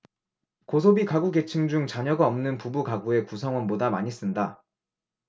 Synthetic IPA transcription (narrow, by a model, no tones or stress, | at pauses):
kos̬ʰobikaɡuɡe̞t͡ɕʰɯŋd͡ʑuŋt͡ɕaɲʌɡaʌmnɯnpubukaɡue̞kusʰʌŋwʌnbodamaɲis͈ɯnda